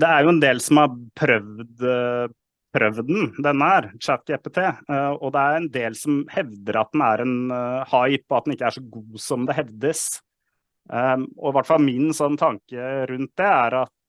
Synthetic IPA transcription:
d̪ɛæɾjʊɛnd̪eːlsɔmɑɾpʰɾœʋd̪ | pʰɾœʋd̪n̩d̪ɛnːəhæɾt͡ʃæt̪̚ɡeːpet̪ʰeːɔd̪ɛæɾɾɛnd̪eːlsɔmhɛʋd̪əɾɑ̰t̪̚d̪ɛnæɾɛnhɑɪpːɔɑt̪̚d̪ɛnɪkːəæʂɔɡuːsɔmd̪ɛɦɛʋd̪əs | ɔɪʋæʈːfɑlmɪnsɔnːət̪ʰɑŋkəɾʉnt̪̚d̪ɛæɾɑt̪

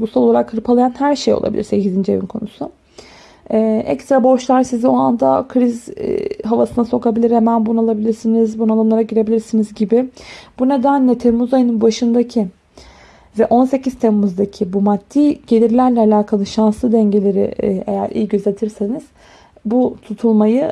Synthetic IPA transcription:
uɡusalˠo̞lˠaɾakhɯɾpʰalˠajanhæɾʃejo̰lˠa̰bḭiɾse̞cizind͡ʒe̞̰vḭnkʰo̞̰nusʊ | ɛːʔɛ̰kst̪ɾabo̞ʃlˠaɾsizio̞and̪a̰kʰɾiz̰ɦavasɯnaso̞kabilʲiɾhemænbunalˠabilʲiɾsinizbunad̪amlˠaɾaɟiɾe̞bilʲiɾsinizɟibɪb̥une̞d̪ænlʲɛt̪ʰemmːuzajɯnɯnbaʃɯnd̪acʰi | vɛʔo̞nse̞ciz̥t̪ʰɛmmuzd̪acʰibumad̪ːiːɟ̥e̞lʲiɾlʲæɾlʲɛalʲaːkʰalˠɯʃanslˠɯd̪ɛɲɟe̞lʲe̞ɾɪ̰e̞̰jæ̰ɾʔḭjɟøzʲet̪ʰiɾse̞niz̥ | but̪ʰut̪ʰulˠmajɯ

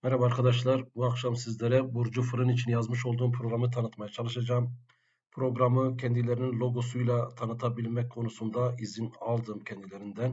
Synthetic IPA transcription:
mɛɾabaːɾkʰad̪aʃlˠaɾbuakʃamsizlʲeɾɛbuɾd͡ʒufɯɾɯnit͡ʃʰinjazmɯʃo̞lˠd̪uːmpʰɾoɡɾamɯt̪ʰanɯt̪majat͡ʃʰalˠɯʃad͡ʒaːm | pʰɾo̞ɡɾamɯcʰɛnd̪ilʲe̞ɾininlʲˠo̞ɡo̞sujlˠat̪ʰanɯt̪ʰabilʲmɛc̚kʰo̞nusund̪aizinalˠd̪ɯmcʰɛnd̪ilʲe̞ɾind̪æn

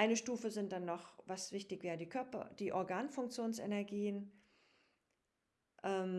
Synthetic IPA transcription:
ʔaɪnəʃtuːfəzɪnt̚d̥anːɔχvasv̥ɪçtɪçv̥ɛːʁədiːkʰœɐpɐ̰d̥iːʔɔɐɡaːnfʊŋkt͡sjoːnsɛ̰nɛɐɡiːən | ʔɛːm

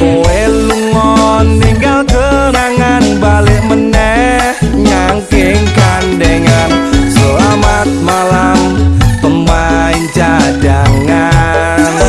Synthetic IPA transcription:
oeluŋɔnːiŋɡalkəɾaŋanbalɪʔmənɛ | hɲaŋkɪŋkandeŋansəlamat̪̚malamt̪əma | iɲt͡ʃadaŋa | n

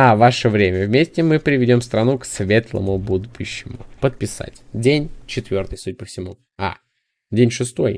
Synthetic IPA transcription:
avaʂəvɾʲemʲəvmʲesʲtʲɪmɨpɾʲɪvʲɪdʲo̞mst̪ɾɐnuksvʲe̞t̪lˠə̰mʊbud̪ʊɕːɪmʊ̰pət̪̚pʲɪsa̰tʲdʲenʲt͡ɕɪt̪vʲo̞rt̪ɨjsud̚ʲɪpəfsʲɪmu | a̰ | dʲenʲʂɨst̪o̞j

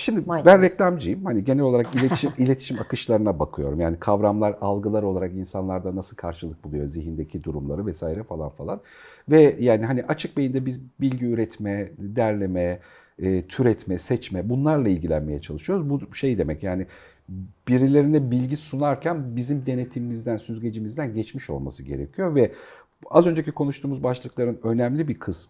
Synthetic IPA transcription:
ʃimd̪ibænɾɛclʲamd͡ʒijimhaniɟe̞nɛlʲo̞lˠaɾakilʲet̪i̥ʃimilʲe̞t̪ʰi̥ʃimakɯʃlˠaɾɯnabakʰɯjo̞̰ɾumjaːnikʰavɾamlˠaɾalˠɡɯlˠaɾo̞lˠaɾakinsanlˠaɾd̪anasɯlˠkʰaɾʃɯlˠɯk̚bulˠujo̞ziɦind̪e̞cʰid̪uɾumlˠaɾɯvɛsaːiɾɛfalˠa̰nfalˠanvɛjaːniɦaniʔat͡ʃʰɯk̚bejind̪ɛbizbilʲɟiyɾɛt̪mɛd̪æɾlʲe̞mɛː | t̪ʰyɾɛt̪mɛsɛt͡ʃmɛbunlˠaɾlˠailʲɟilʲæ̰nme̞jɛt͡ʃʰalˠɯʃɯjo̞ɾuzbuʃe̞jd̪e̞mɛcjaːnɪ | biɾilʲe̞ɾinɛbilʲɟisunaɾcʰænbizimd̪e̞ne̞t̪ʰimimizd̪ænsyzɟe̞d͡ʒimizd̪ænɟɛt͡ʃmiʃo̞̰lˠma̰sɯɟe̞ɾecʰijo̞vɛ | azø̞nd͡ʒe̞cikʰo̞nuʃt̪ʰuːmuzbaʃlˠɯklˠaɾɯnø̞næmlʲibikʰɯsm

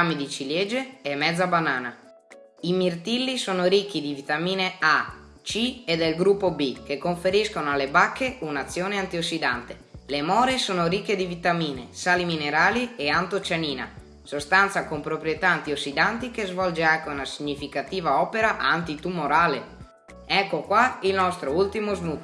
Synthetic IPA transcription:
amid̪it͡ʃiljed͡ʒeɛmːɛd̪zːabanaːna | imirt̪ilːisoːnoɾik̟ːid̪ivit̪amiːnea | t͡ʃied̪elɡɾupːobik̟ekːoɱfeɾiskonoalːebakːeunat̪sːjoːneant̪iosːid̪ant̪e | lemɔːɾesoːnoɾikːed̪ivit̪amiːnesaːlimineɾaːlieant̪ot͡ʃaniːna̰ | sost̪ant̪sakompɾopɾjet̪aːnt̪iosːid̪ant̪ikezvɔld͡ʒeakːeunasiɲːifikat̪iːvaɔːpeɾaʔant̪it̪umoɾaːle | ɛkːokwailnɔst̪ɾoult̪imozmu

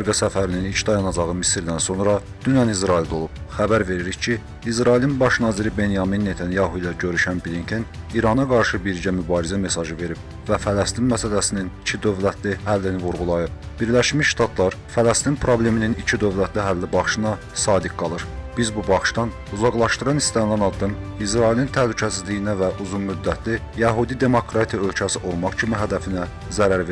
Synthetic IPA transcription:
ɑɾɡɑsæfæɾininit͡ʃʰd̪ɑjɑnɑd͡ʒɑʁɯmisɾd̪ænso̞nɾɑ | d̪̥ynɑnizɾɑild̪olˠub̥xæbæɾve̞ɾiɾiçcʰiː | zɾɑilinbɑʃnɑːziɾibe̞njɑminːe̞t̪ʰænjɑɦuilˠæɟø̞ɾyʃænbilincʰæniɾɑnɑɡɑɾʃɯbiɾɟæmybɑːɾizæme̞sɑʒɯve̞ɾib̥ | væfælæst̪inmæsælæsininicʰid̪ø̞vlæt̪ʰlihælːinivuɾɣulˠɑjɯb̚ | biɾlæʃmiʃʃt̪ɑt̪ʰlˠɑɾfælæst̪inpʰɾo̞ble̞mininit͡ʃʰid̪ø̞vlæt̪ʰliɦælːibɑχʃɯnɑ | sɑːd̪ik̚ɡɑlˠɯɾb̥izbubɑχʃt̪ɑn | uzɑɣlˠɑʃt̪ɯɾɑnist̪ænlænɑd̪ːɯmis̬ɾɑilint̪ʰæhlycʰæsizlijinævæʔuzunmyd̪ːæt̪ʰli | jæɦud̪id̪e̞mo̞kʰɾɑt̪ʰijɑø̞lcʰæsiʔo̞lˠmɑχcʰimiɦæd̪æfinæ | zæɾæɾve

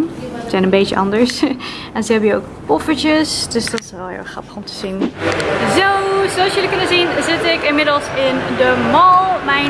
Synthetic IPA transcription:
əzɛjnənbejt͡ʃəʔɑ̰ndəɹs | ɛnzəɦɛbəjo̰wk | pɔfət͡ʃəsdɵsdɑtɪ̥sɛlˠɦɪ̰ːlˠχrɑ̰pə̥χɔmtə̥z̥inzowzolsjəlikɵnəzinzɪtɪkɪnmɪdl̩ˠsɪndəmɑlˠmɛ

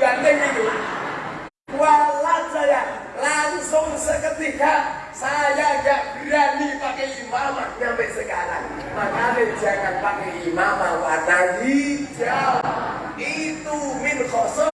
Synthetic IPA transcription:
ant̪ɛŋinu | kualat̪̚saja | laŋsʊŋsəkət̪ika | sajad͡ʒaʔbiɾanːipakɛimamaɲampɛʔsəkaɾa̰ | makamed͡ʒaŋanpakɛimamawat̪adid͡ʒa | it̪umɪnxɔsɔ

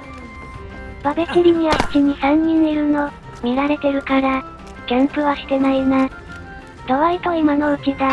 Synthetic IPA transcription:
b̥abe̞sɯɾʲiɲ̟iβaɯt͡ɕiɲ̟isãɲ̟ːĩneɾɯ̟no̞ | mʲiɾaɾe̞t̪e̞ɾɯ̟kaɾa | ɡ̥ʲẽmpɯ̟βaɕi̥t̪e̞naimasɨ̥ | t̪oβait̪o̞imano̞ɯ̟kid̪a

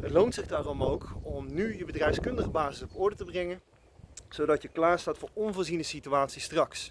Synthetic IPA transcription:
ɦətlowntsɪχdaːrɔmowkɔmnyjəbədrɛjfskɵndəχəbaːzɪsɔpɔɹdətəbrɛŋən | z̥owdɑtjəklaːɹstaːtfʊːɹɔnvʊːɹzinəsityʋaːtsistrɑks

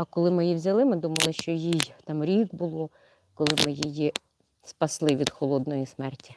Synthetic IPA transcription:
ɐkɔlˠɪmɪjiwzʲɐlˠɪmɪd̪umɐlˠɪʃt͡ʃɔjijt̪ɑmɾʲiɡbʊlˠɔ | kɔlˠɪmɪjiji | spɐslˠɪʋʲid̪xɔlˠɔd̪nɔjismɛrtʲi

